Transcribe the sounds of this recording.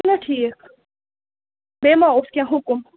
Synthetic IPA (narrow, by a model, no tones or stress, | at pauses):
nɐʈʰiːk | bemaoskʲjãɦʊkʊm